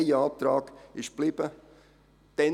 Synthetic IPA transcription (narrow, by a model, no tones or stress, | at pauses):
ɪəɑp̚t̪ɾɑːɡ̥ɪʃb̥liːb̥ə | d̪̥ɛ